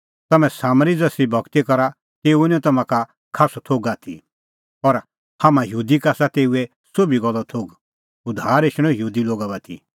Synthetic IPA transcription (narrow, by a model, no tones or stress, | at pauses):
t̪ɐmɛ̃saːmɾid͡zɐsɾibʱɐɡt̪ikɔɾa | t̪eːuɪnɔ̃t̪ɐmãka | kʰaːst̪ʰoːɡaːt̪ʰḭ | ɔɾ | haːmãjuːd̪ikaːsat̪eːuɛ | sobiɡɔlːɔt̪ʰoːɡ | ʊd̪ʱaːɾeʃɽ̃ɔ̃juːd̪iloːɡabat̪ʰḭ